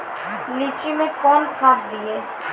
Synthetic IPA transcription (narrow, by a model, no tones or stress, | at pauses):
liːt͡ʃimẽkɔːnkʰaːɦd̪ieː